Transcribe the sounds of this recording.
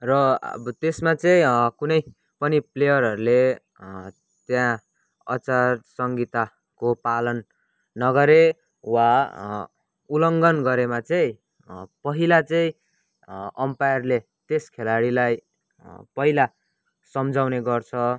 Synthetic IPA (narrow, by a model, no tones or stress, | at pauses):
rʌbt̪esmat͡sʌĩkunʌj | pʌniplejʌɾɦʌɾule | t̪jã | ʌ̰t͡sarsʌŋɡit̪a | kopalʌnː | ʌɡʌɾe | wa | ulʌŋɡʌnɡʌɾemat͡sʌĩ | pʌɦilat͡sʌĩ | ʌmpajʌrle | t̪eskʰelaɽilaj | pʌɦila | sʌmd͡zawneɡʌrt͡sʰʌ